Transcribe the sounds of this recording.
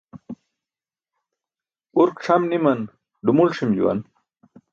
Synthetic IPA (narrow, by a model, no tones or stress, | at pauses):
uɾkʈ͡ʂʰɐmnimɐn | ɖumulʂimd͡ʑṵwɐ̰n